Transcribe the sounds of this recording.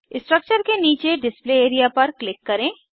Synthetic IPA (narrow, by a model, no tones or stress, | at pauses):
ɪsʈɾək̚t͡ʃəɾkeniːt͡ʃeɖɪspleːeːɾijapɐɾklɪkːɐɾẽː